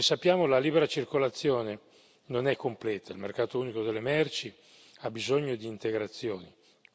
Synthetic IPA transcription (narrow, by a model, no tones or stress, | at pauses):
esːapːjaːmolaliːbeɾat͡ʃirkolat̪sːjoːne | nonɛkʰːomplɛːt̪ʰailmerkaːt̪ouːnikod̪elːemɛrt͡ʃi | abizoɲːod̪iːnt̪eɡɾat̪sːjoːni